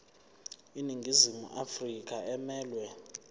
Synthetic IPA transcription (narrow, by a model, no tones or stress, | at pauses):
iniŋɡʱizimṵʔafrik̬ʼaɛmɛːlwɛ